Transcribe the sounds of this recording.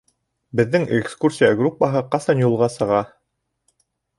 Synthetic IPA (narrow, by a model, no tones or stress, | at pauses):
bɘ̆ðːɘŋekskursʲijaɡrupːɑɦɤqɑsɑnjulˠʁɑsɤ̆ʁɑ